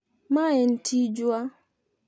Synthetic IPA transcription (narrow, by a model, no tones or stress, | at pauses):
maɛn̩tʰid͡ʒwa